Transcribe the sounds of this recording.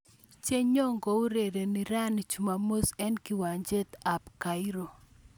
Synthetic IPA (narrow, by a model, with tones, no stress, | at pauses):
t͡ʃe˦ɲɔ˦ŋɡɔ˨u˦ɾe˨ɾe˨ni˨ɾa˦ni˨t͡ʃu˨ma˨mo˦sɛ˦nki˨wa˨ɲd͡ʒe˦t̪a˨pka˨i˦ɾo˨